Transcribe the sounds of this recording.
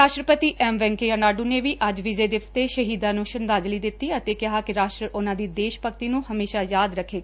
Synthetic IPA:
ɾaːʃʈɾəpət̪iːʔɛːmʋɛ̃ːŋkeːənaːɖuːneːʋiːʔəd͡ʒʋɪd͡ʒeːd̪ɪʋst̪eːʃəɦiːd̪ãːnũːʃənd̪aːd͡ʒliːd̪ɪt̪ːiːət̪eːkɪɦaːkɪɾaːʃʈɾəʔʊnãːd̪iːd̪eːʃpəkt̪iːnũːhəmeːʃaːjaːd̪ɾəkʰːeːɡaː

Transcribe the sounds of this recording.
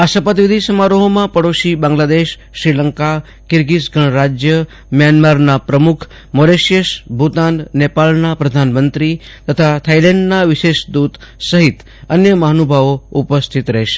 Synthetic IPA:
asəpət̪ʋid̪ʱisəmaɾoɦomãpəɽoʃibãŋɡlad̪eʃːɾiləŋka | kɪɾɡisɡʱəɳ̃ɾad͡ʒjə | mjanmaɾnapɾəmukʰ | moɾeʃjeʃbʱut̪annepalnapɾəd̪ʱanmənt̪ɾi | t̪ət̪ʰat̪ʰailẽɳɖnaʋɪʃeʃd̪ut̪səɦit̪ | ənjəmaɦnubʱaʋoupəst̪ʰit̪ɾəɦeʃ

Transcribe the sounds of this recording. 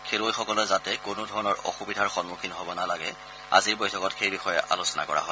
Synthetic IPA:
kʰelojxɔkɔlɛzatɛkʊnʊdʱɔɹɔnɔɹɔ̰xubidʱaɹxɔnmukʰinɦobɔnalaɡɛ̰ | a̰ziɹbojtʰɔkɔtxejbixɔjɛʔa̰losɔna̰kɔɹa̰ɦɔj

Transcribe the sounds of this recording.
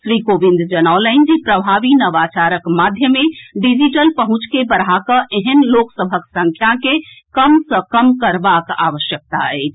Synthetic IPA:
ʃɾikobĩnd̪d͡ʒənaləɪnd͡ʒipɾəbʱaʋinəʋat͡ʃaɾəkmad̪ʱjəmẽɖid͡ʒiʈəlpəɦũt͡ʃkebəɾakəʔeɦənloksəbʱəksə̃ŋkʰjakekəmsəkəmkəɾbaka̰ʋəʃjək̚t̪aɛːt͡ʃʰ

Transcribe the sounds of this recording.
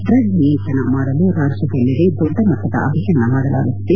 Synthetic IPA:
t̪ɾɐɡiːnt͡ʃɐnɐmaːɽɐluɾaːɾʂɐd̪ɐlːid̪ed̪ɔɖːɐmɐt̪ːɐd̪ɐ̰a̰ːʋɐʃɐnːɐmaːɽɐla̰ːɡut̪ːe

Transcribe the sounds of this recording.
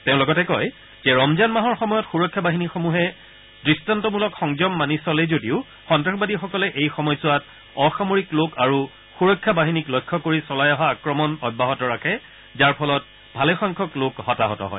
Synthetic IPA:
teʊ̃lɔɡɔtɛkɔj | z̥ɛɹɔmzanmaɦɔɹxɔmɔjɔtxuɹɔkʰːjabaɦinixomuɦɛ | dɹistantɔmulɔkxɔŋzɔmːanisɔlɛzodiʊ | xɔntɹaxɔbadixɔkɔlɛʔejxɔmɔjsʊat | ɔxamoɹiklokaɹu | xuɹɔkʰːabaɦiniklɔjkʰːɔkoɹisɔlajɔɦaːkɹɔmɔnɔbʱaɦɔtɔɹakʰɛ | zaɹpʰɔlɔt̚ | bʱalɛxɔŋkʰɔklokhɔtaɦɔtɔ̰ɦɔ̰j

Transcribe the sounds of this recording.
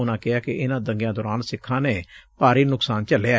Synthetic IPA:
ʊnãːkɪaːkɪʔɪnãːd̪ə̃ŋɡjãːd̪ɔːɾaːnsɪkʰːãːneːpaːɾiːnʊksaːnt͡ʃəleaː

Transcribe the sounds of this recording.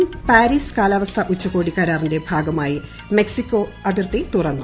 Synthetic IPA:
mpaːɾiːskaːlɐʋɐst̪ʰɐʔut͡ɕːɐko̞ːɽikːɐɾaːrinde̞bʱaːɡɐmaːji | me̞ksikʲːo̞ːɐðirt̪it̪urɐnːu

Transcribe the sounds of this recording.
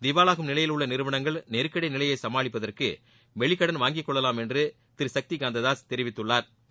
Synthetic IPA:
d̪ɪʋaːlaːɣɯmnɪlɐjɪlɯɭːɐnɪɾɯʋɐɳɐŋɡɐɭnɛɾɯkːɐɽɐɪnɪlɐjɐɪsɐmaːɭɪpːɐðɐrkɯ̰ | ʋɛɭɪkːɐɽɐnʋaːŋɡɪkːɔɭːɐlaːmɛndrɯ | t̪ɪɾsɐk̚t̪ɪɡaːnd̪ɐðaːst̪ɛɾɪʋɪt̪ːɯɭːaːɾ

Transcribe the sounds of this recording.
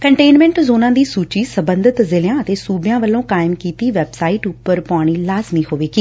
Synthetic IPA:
kəɳʈeːnmɛ̃ːɳʈzoːnãːd̪iːsuːt͡ʃiːsəbənd̪ət̪zɪljãːət̪eːsuːbjãːʋəlːõːkaːjɪmkiːt̪iːʋɛːbsaːiːʈʊpːəɾpɔ̃aːɽ̃iːlaːzmiːhoːʋeːɡiː

